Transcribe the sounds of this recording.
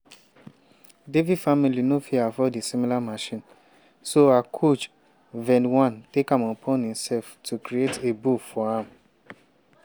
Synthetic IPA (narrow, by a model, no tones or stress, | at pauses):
devidfamĩlinõfiafɔdesĩmĩlamaʃĩn | soakʰot͡ʃ | vɛ̃nwãntekamɔ̃pʰɔ̃nĩmsɛlftʰukɾietebufɔhãm